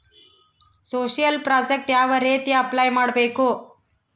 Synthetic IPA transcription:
soɕijəlpɾɔd͡ʑek̚ʈjaʋəɾet̪eəplajmaɽpejko

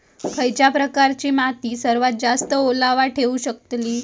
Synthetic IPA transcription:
kʰəjt͡ɕjapɾəkaɾt͡ɕiːmat̪iːsəɾʋat̪̚d͡zast̪əolaʋaʈʰeuɕək̚t̪liː

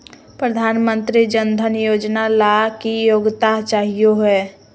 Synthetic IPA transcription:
pɾəd̪ʱaːnmə̃nt̪ɾid͡ʒənd̪ʱənjoːd͡ʒnalakijoːɡt̪aɦt͡ʃaːɦijoɦɛː

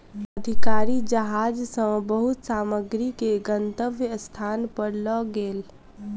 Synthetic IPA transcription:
əd̪ʱɪkaːɾid͡ʒəɦaːd͡ʒsə̃bəɦʊt̪saːməɡɾikeɡənt̪əʋjəst̪ʰaːnpəɾlɔɡeːl

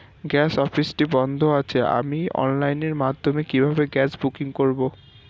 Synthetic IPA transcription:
ɡɛsɔpʰisʈibɔnd̪ʱoat͡ɕʰɛa̰miɔ̰nlajneɹmad̪ʱomekibʱabeɡɛsbukiŋkoɹibo

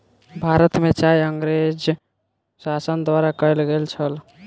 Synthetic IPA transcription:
bʱaɾət̪met͡ʃajəŋɡɾed͡ʒ | sasənd̪waɾakəjlɡelt͡ʃʰəl

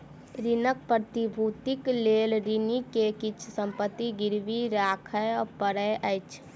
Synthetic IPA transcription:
ɾinək̚pɾət̪ibʱut̪ikleːlɾinikekɪt͡ʃʰsə̃mpət̪ːiɡɪɾbiɾaːkʰəjɔɾpəɾəjʔəjt͡ʃʰ

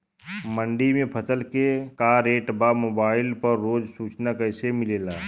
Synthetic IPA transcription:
mə̃ɳɖimẽpʰəsəlkekaːɾeːʈbamoːbaːɪlpəɾːoːd͡ʒsuːt͡ʃnakəɪsemɪleːlaː

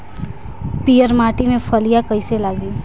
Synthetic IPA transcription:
pijəɾmaːʈimẽpʰəlijakəɪselaːɡi

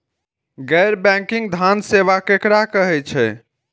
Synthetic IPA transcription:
ɡɛɾbɛ̃ŋkiŋɡd̪ʱanseʋakekɾakəɦɛt͡ʃʰɛ

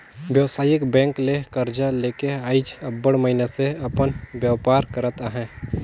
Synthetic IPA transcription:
bjəʋsaːjɪkbɛ̃ːŋklekəɾd͡ʒaleːkeaːɪd͡ʒɐbːəɽmɐɦineseɐpənʋjaʋpaːɾkɐɾət̪aɦɛ̃ː

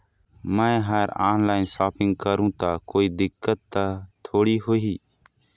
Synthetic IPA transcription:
mɛ̃ːɦəɾaːnlaːɪnsaːpʰɪ̃ŋɡ̚kəɾũːt̪aːkoːiːd̪ɪkːət̪ːaːt̪ʰoːɽiːɦoiː

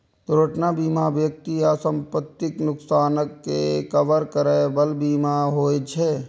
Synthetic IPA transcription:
t̪ɾoːʈnabiːmabjək̚t̪iasə̃mpət̪ːɪknʊksaːnəkːekəʋəɾkəɾabəlbiːmaɦoːet͡ʃʰe

